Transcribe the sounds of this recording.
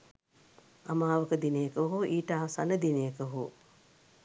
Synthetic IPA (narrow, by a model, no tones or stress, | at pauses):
amaːʋəkəd̪inejəkəʋɦuʔiːʈaaɦsanəd̪inejəkəɦu